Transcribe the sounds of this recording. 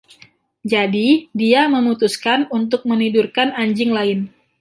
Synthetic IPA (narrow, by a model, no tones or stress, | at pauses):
d͡ʒadidiaməmut̪uskanunt̪̬ʊk̚mənidurkanaɲd͡ʒɪŋlaɪn